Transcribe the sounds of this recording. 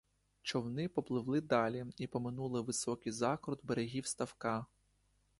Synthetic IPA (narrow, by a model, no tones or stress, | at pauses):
t͡ʃɔwnɪpɔplˠɪʋlˠɪd̪ɑlʲiipɔmɪnulˠɪʋɪsɔkɪjzɑkɾɔd̪beɾeɦʲiwst̪ɐwkɑ